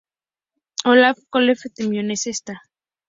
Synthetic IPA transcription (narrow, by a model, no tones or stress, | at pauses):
olafkolefet̪emjonesest̪a